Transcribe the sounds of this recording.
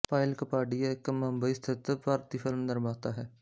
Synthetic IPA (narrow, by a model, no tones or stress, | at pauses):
paːɪlkəpaːɖiaɪkməmbəiːst̪ʰɪt̪əpaɾt̪iːfʰɪlmd̪əɾmaːt̪aɦɛː